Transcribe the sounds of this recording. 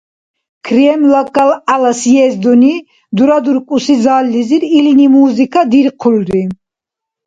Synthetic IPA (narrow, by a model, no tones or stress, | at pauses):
kʰɾiɛmlakʼːalalasjɛzd̪ɔni | d̪uɾad̪uɾkʼusizaːlːiziɾilinimuːzikʰʼad̪iɾqʰulɾi